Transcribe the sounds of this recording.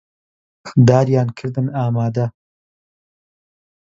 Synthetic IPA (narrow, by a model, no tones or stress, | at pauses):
xd̪ɑːɾjɑːnkʰɨɾd̪ɨnɑːmɑːd̪a